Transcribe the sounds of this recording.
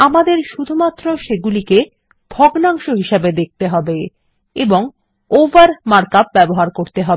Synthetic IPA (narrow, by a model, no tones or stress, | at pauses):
amad̪eɾʃud̪ʱumat̪ːɾoʃeɡulike | bʱɔɡnaŋʃoɦiʃebed̪ek̚t̪eɦɔbe | eboŋ | ovaɾmaɾkap̚bɛboɦaɾkoɾt̪eɦɔbe